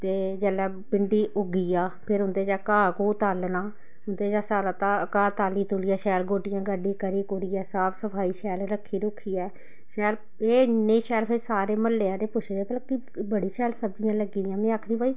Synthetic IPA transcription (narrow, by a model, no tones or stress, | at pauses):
t̪eːd͡ʒəlɛː | pɪɳɖiːʔʊɡiːaːpʰɪɾɦʊ̃nd̪eːd͡ʒaːkaːkoːt̪aːlnaː | ɦʊnd̪eːd͡ʒaːsaːɾaːt̪aːkaːt̪aːliːt̪ʊliːaːʃɛːlɡoːʈɪjãːɡəɖiːkəɾiːkoːɾiːɛːsaːpsəpʰaːiːʃɛːlɾəkʰːiːɾʊːkʰːiːɛː | ʃɛːl | eːnːẽːʃɛːlpʰɪɾsaːɾeːməlːeːãːd̪eːpʊt͡ʃʰɛːpəlki | bəɽiːʃɛːlsəbd͡ʒɪjãːləɡiːd̪ɪjãːmɛ̃ːaːkʰɽĩːbaːiː